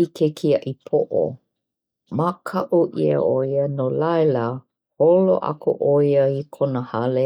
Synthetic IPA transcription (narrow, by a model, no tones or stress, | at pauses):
ikʰekʰiɐʔipʰoʔo̰ | makʰɐʔuʔiə̰ʔojənolajlə | holo̰ʔɐ̰ko̰ʔojəikʰonəhɐle